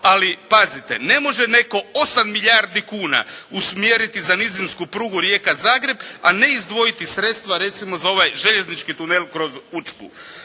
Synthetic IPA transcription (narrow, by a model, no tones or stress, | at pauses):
alipazit̪e̞̰ne̞mo̞ʒene̞ko̞o̞samːiʎaɾd̪ikuːna̰usmjeːɾit̪izanizinskupɾuːɡuɾje̞ːkazaːɡɾe̞bane̞izd̪ʋo̞jit̪isɾe̞t̪st̪ʋaɾe̞t̪simo̞zao̞ʋajʒeʎe̞znit͡ʃkit̪unelˠkɾo̞zut͡ʃpṵ